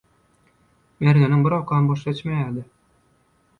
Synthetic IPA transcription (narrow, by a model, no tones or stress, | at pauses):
mæɾŋænɘŋbɘɾɒqɑɤnbɒʃæt͡ɕmæjæd̪ɘ